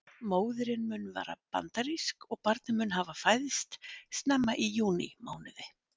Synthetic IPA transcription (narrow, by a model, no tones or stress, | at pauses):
moːwðʏɾɪnmʏnːva̰ːɾa̰pa̰nt̪aɾiskɔɣpaɾt̪nɪmʏnɦavafaːjðɪst̪st̪nɛmːaʔijuːnḭmaːwnɪðɪ